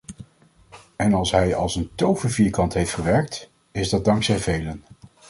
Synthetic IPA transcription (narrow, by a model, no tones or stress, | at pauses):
ɛnɑlˠsɦɛjɑlˠsəntowvənviːɹkɑntɦejftχəʋɛɹk̚t | ɪzdɑd̚dɑŋksɛjvejlən